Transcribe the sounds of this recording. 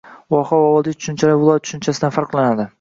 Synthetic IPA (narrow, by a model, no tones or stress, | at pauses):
wɒhɒwɒwɒlˠd̪ɪt̪ʊ̥ʃʊnt͡ʃʰalɪkʲvɪlˠɒjat̪ʰʊ̥ʃʊnt͡ʃʰasɪd̪anfaɾqlanad̪ɪ